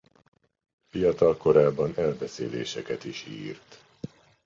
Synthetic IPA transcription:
fijɒt̪ɒlko̞ɾaːbːɒnɛlbɛseːlḛːʃɛkɛt̪iʃḭːrt̪

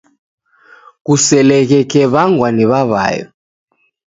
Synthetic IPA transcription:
kusɛlɛɣɛkɛβaŋɡwaniβaβa̰jɔ̰

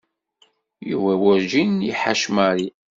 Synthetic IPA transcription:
jṵwæwæɾʒinjiħaʃmaɾi

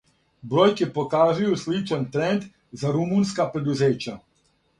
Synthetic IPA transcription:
bɾojkipokaːʒujuslit͡ʃant̪ɾɛnd̪ | zaɾumunskapɾɛd̪uzeːt͡ʃa

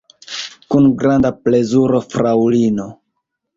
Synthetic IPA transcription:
kunɡɾandaple̞zuɾo̞fɾawlino̞

